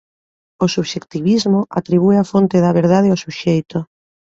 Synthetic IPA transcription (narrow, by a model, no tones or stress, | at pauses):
osuβʃekt̪iβizmoʔat̪ɾiβueafont̪eðaβeɾðaðeawsuʃejt̪o